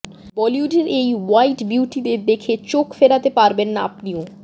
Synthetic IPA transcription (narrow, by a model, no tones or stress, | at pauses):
bɔljuɖeɾʔejwajʈbiuʈid̪eɾd̪ekʰet͡ɕokfeɾat̪epaɾbenːaapnio